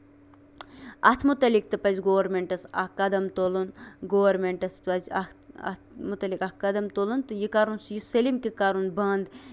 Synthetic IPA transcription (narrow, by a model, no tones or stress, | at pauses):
ɐt̪ʰmut̪ɐlik̚t̪ɨpɐzʲɡoːʋɐɾmeɳʈɐsɐ̰hkɐd̪ɐmt̪olunɡoːɐɾmeɳʈɐspɐzʲɐ̰ɐ̰t̪mut̪ɐlikɐhkɐd̪ɐmt̪olunt̪ɨjikaɾunsjisɐlimkikaːɾunbɐnd̪